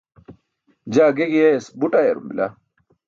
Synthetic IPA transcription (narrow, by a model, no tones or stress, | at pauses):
d͡ʑaːɡeɡiesbuʈajḛɾṵmbḭlʔa̰